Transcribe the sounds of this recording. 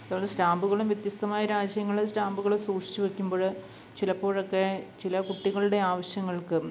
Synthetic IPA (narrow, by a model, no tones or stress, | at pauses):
ɐðaːʋɭd̪esɾaːmbuɣɐɭumʋjɐt̪jɐst̪ɐmaːjɐɾaːd͡ʑjɐŋːɐɭesɾaːmbuɣɐɭusuːkʂi̥t͡ɕːɨʋekʲːumboːɻɨ | t͡ɕilɐpːo̞ːɻokːe̞t͡ɕilɐkuʈːiɣɐɭɨɽe̞aːʋɐɕjɐŋːɐɭkɨ